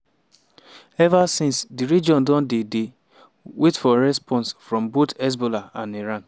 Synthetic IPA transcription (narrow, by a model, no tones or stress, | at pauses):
ɛvasĩnsdiɾid͡ʒɔ̃ndɔ̃ndede | wʔetfɔɾɛspʰɔ̃nsfɾɔ̃mbotɛs̬bolaãniɾãn